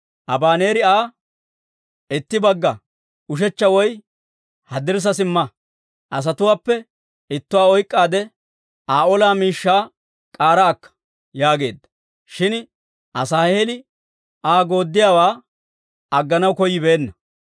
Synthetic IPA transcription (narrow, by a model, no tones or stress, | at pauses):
ʔɐbaːne̞ːɾɪaː | ɪt̪ːɪbɐɡːɐ | ʊʃ̬ɛt͡ʃːɐwɔj | hɐd̪ɪɾs̬ɐsɪmːɐ | ʔɐs̬ɐt̪ʊwaːpːɛ | ɪt̪ːʊwaːɔjkʼːaːd̪ɛ | aːɔlaːmiːʃːaː | kʼaːɾaːkːɐ̥ | jaːɡe̞ːd̪ːɐ̥ | ʃɪn | ʔɐsaːhelɪ | ʔaːɡo̞ːd̪ːɪjaːwaː | ɐɡːɐnɐwkɔjːɪbe̞ːnːɐ